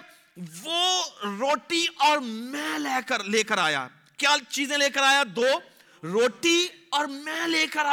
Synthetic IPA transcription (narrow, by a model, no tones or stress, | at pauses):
ʋoːɾoːʈiɔːɾmɛ̃ːlɛːkəɾleːkəɾa̰ːja̰ː | kjaːt͡ʃiːzẽleːkəɾaːjad̪oː | ɾoːʈiɔːɾmɛ̃ːleːkəɾaː